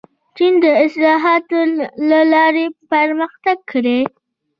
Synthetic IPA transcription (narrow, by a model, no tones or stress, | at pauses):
t͡ʃind̪əɪslɑɦɑt̪olalɑɾepəɾməxt̪aɡ̚kʰɽe